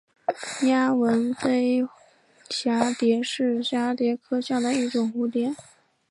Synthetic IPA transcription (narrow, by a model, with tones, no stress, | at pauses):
ja˥wə˧˥nfe˥ɪ | ɕja˧˥t̪jɛ˧˥ʂɻ̩˥˩ɕja˧˥t̪jɛ˧˥kʰɤ˥ɕjɑ˥˩d̪ə˩i˥˩ʈ͡ʂʊ˨˩ŋxu˧˥t̪jɛ˧˩˦n